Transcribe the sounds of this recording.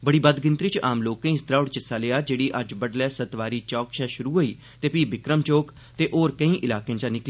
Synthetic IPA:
bəɽiːbəd̪ɡɪ̃nt̪ɾiːt͡ʃaːmloːkẽĩːst̪ɾaːʊɽt͡ʃɪsaːleːjaːd͡ʒeːɽiːʔəd͡ʒbəɖlɛːsət̪ʋaːɾiːt͡ʃɔːkʃʰɛːʃʊɾuːɦoːiː | t̪eːpiːbɪkɾəmt͡ʃoːk | t̪eːʔoːɾkəĩːʔɪlaːkẽːt͡ʃãːnɪkli

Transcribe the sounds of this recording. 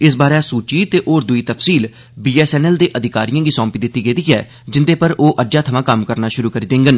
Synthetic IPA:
ɪs̬baːɾɛːsuːt͡ʃiːt̪eːʔoːɾd̪ʊiːt̪əpsiːl | biːɛːsɛːnɛːld̪eːʔəd̪ʱɪkaːɾijãːɡiːsɔ̃ːmpiːd̪ɪt̪ːiːɡeːd̪iːɛ̰ː | d͡ʒɪnd̪eːpəɾoːʔəd͡ʒaːt̪ʰəmãːkəmkəɾnaːʃʊɾuːkəɾiːd̪ẽːŋɡən

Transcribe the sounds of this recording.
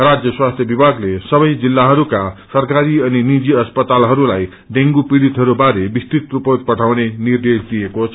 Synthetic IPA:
rad͡zjʌswast̪ʰjʌbibʱaɡlesʌbʌjd͡zilːaɦʌɾukasʌrkaɾiʌninid͡ziʌspʌt̪alɦʌɾulaj | ɖeŋɡupiɽit̪ɦʌɾubaɾebist̪it̪rupot̪̚pʌʈʰawnenird̪esd̪ijekot͡sʰ

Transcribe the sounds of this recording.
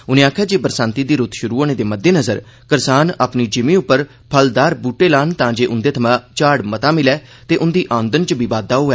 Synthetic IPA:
ʊnẽːaːkʰjaːd͡ʒeːbəɾsãːnt̪iːd̪iːɾʊt̪ʃʊɾuːoːnẽːd̪eːməd̪ːeːnəzəɾ | kəɾsaːna̰ːpniːd͡ʒɪmĩːʊpːəɾ | pʰəld̪aːɾbuːʈːeːlaːnt̪ãːd͡ʒeːʔʊnd̪eːt̪ʰəmãːt͡ʃaːɽmət̪ãːmɪlɛːt̪eːʔʊnd̪iːʔãːnd̪ənt͡ʃəbiːbaːd̪aːɦoːɛː

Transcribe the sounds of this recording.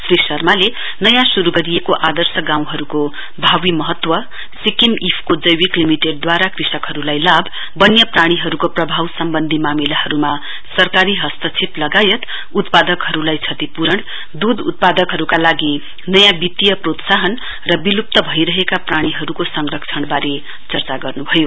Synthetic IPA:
srisʌrmale | nʌjãsuɾuɡʌɾijekoʔad̪ʌrsʌɡãw̃ɦʌɾuko | bʱawimʌɦʌt̪ːwʌ | sikimipʰkod͡zʌjwiklimiʈeɖ̚d̪waɾakrisʌkɦʌɾulajlabː | ʌnjʌpraɽ̃iɦʌɾukoprʌbʱawsʌmbʌnd̪ʱimamilahʌɾuma | sʌrkaɾiɦʌst̪ʌt͡sʰeplʌɡajʌt̪ | ut̪pad̪ʌkɦʌɾulajt͡sʰʌt̪ipuɾʌɳ | d̪ud̪ṵt̪̚pad̪ʌkɦʌɾukalaɡi | nʌjãbit̪ijʌprot̪saɦʌn | rʌbilup̚t̪ʌbʱʌjɾʌɦekapraɽ̃iɦʌɾukosʌŋrʌkt͡sʰʌɳbaɾe | t͡sʌrt͡saɡʌrnubʱʌjo

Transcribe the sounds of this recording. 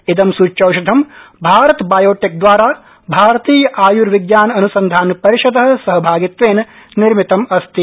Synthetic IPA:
id̪ɐmsuːt͡ʃɐwʃɐd̪ʱɐmbʱaːɾɐt̪baːjoːʈik̚d̪ʋaːɾaː | bʱaːɾɐt̪iːjɐʔaːjuɾʋɪɡjaːnɐnusɐnd̪ʱaːnpɐɾiʃɐd̪ɐɦɐ̆sɐɦɐbʱaːɡit̪ʋeːn | niɾmit̪ɐmɐst̪i

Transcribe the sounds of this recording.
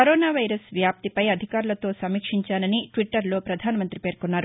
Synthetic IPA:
kɐɾoːnaːʋɐjɾɐsʋjaːp̚t̪ipɐjɐd̪ʱikaːɾulɐt̪o̞ːsɐmiːkʂiɲt͡ʃaːnɐniʈʋiʈːɐɾlo̞ːpɾɐd̪ʱaːnɐmɐnt̪ɾipe̞ːɾkunːaːɾu

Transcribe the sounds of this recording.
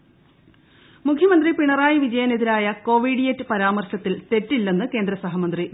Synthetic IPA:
mukʰjɐmɐnd̪ripiɳɐraːjiʋid͡ʑɐjɐneðiɾaːjɐko̞ːʋiɽijetːɨpɐɾaːmɐrɕɐt̪ːilt̪e̞tːilːenːɨke̞ːnd̪ɾɐsɐɦɐmɐnd̪ri

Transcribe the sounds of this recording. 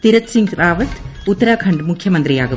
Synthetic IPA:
t̪ɪɾɐt̪sɪŋɡɾaːʋɐt̪ʊt̪ːɐɾaːkʰɐɳɖmʊkʰːjɐmɐnd̪ɾijaːɣɐ

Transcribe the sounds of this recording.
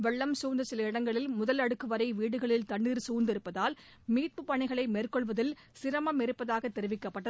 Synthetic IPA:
ʋɛɭːɐmsuːnd̪ɐsɪlɐɪɽɐŋɡɐɭɪlmʊðɐlɐɽɯkːɯʋɐɾɐɪʋiːɽɯɣɐɭɪlt̪ɐɳɖiːɾsuːɾnd̪ɪɾɯpːɐðaːl | miːt̪̚pɯpɐɳɪɣɐɭɐɪmeːrkɔɭʋɐðɪl | sɪɾɐmɐmɪɾɯpːɐðaːɣɐt̪ːɛɾɯʋɪkːɐpːɐʈːɐ

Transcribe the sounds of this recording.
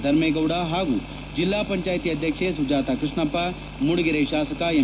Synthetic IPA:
d̪ʱɐɾmeːɡɐwɽaɦaːɡṵː | d͡ʒilːaːpɐɲt͡ʃaːjt̪iːɐd̪ʱjɐkʂesud͡ʒaːt̪akɾɪʂɳɐpːa | muɽuɡiɾeʃaːsɐkae

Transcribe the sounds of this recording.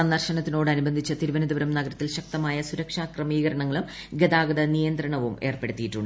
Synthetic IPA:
ɐnːɐrɕɐnɐt̪ːinoːɽɐnubɐnd̪ʱit͡ɕːɐt̪iɾuʋɐnɐd̪iʋɐɾɐmnɐɡɐɾɐt̪ːilɕɐk̚t̪ɐmaːjɐsuɾɐkʂaːkrɐmiːɣɐɾɐɳɐŋːɐɭum | ɡe̞d̪aːɡɐðɐnijɐnd̪ɾɐɳɐʋume̞ːrpeɽut̪ːijiʈːuɳɖɨ

